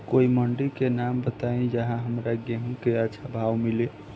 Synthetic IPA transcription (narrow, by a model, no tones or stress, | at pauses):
koiməɳɖikenambət̪aĩd͡ʒəɦãɦəmɾaɡeɦũkeət͡ʃʰabʱawmile